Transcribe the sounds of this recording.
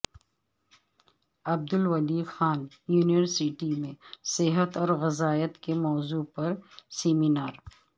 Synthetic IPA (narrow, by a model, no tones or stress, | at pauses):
ɐb̚d̪ʊlwɐliːxaːn | juːnijəɾsɪʈimẽsɪɦət̪ɔːɾɣɪzaːjət̪kemɔːzupɐɾseːminaːɾ